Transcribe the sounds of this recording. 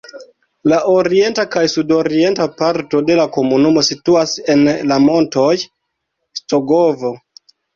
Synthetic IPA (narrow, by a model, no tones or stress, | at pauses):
laʔoɾie̞ntakajsudo̞ɾie̞ntapaɾto̞de̞lako̞munumo̞situase̞nlamo̞nto̞j | sto̞ɡovo̞